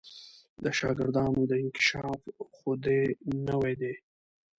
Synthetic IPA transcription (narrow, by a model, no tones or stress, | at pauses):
d̪əʃɑɡɪɾd̪ɑnod̪əɪnkɪ̥ʃɑfxʊd̪enəwed̪e